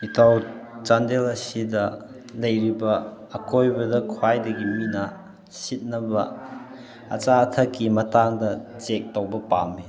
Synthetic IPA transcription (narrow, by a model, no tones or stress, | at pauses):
itʰawt͡ʃandelɐsidɐ | lɐjɾibɐː | kojbɐdɐkʰwajdɐɡiminɐ | sit̚nɐbɐ | ɐ̰t͡ʃaɐtʰɐkːimɐtaŋdɐt͡ʃek̚towbɐpami